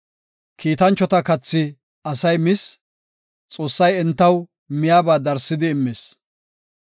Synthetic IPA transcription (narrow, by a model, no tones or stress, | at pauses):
kʰiːt̪ɐnt͡ʃːɔt̪ɐkɐt͡sːɪ | ɐsɐjmɪs | t͡sʼo̞ːsːɐjɛnt̪ːɐw | mɪjaːbaːd̪ɐɾsːɪd̪ɪːmːeːs